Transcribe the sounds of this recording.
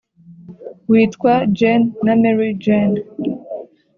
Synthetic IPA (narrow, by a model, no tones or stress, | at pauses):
wiːtkwad͡ʒenːameɹid͡ʒen